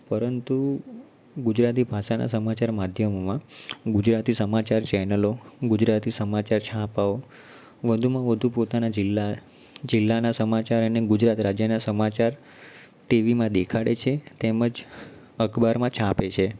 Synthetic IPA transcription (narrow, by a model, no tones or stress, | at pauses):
pəɾənt̪u | ɡud͡ʒɾat̪ibʱaʃana̰səmat͡ʃaɾmad̪ʱjəmomãɡud͡ʒɾat̪isəmat͡ʃaɾt͡ʃɛnəloɡud͡ʒɾat̪isəmat͡ʃaɾt͡ʃʰãpao | ʋəd̪ʱumãʋəd̪ʱupot̪anad͡ʒɪlːa | d͡ʒɪlːanasəmat͡ʃaɾəneɡud͡ʒɾat̪ɾad͡ʒjənasəmat͡ʃaɾ | ʈiʋimãd̪ekʰaɽet͡ʃʰet̪eməd͡ʒ | əkʰbaɾmãt͡ʃʰãpet͡ʃʰe